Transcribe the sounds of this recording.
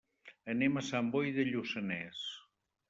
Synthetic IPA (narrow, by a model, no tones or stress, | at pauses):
ənemasambojðeʎusənɛs